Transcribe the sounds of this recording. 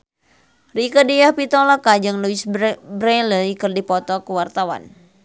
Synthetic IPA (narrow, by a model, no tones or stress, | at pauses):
rikədijahpit̪ɔlakad͡ʒɨŋluisbɾɛləikɨrdipɔt̪ɔkuwart̪awa̰n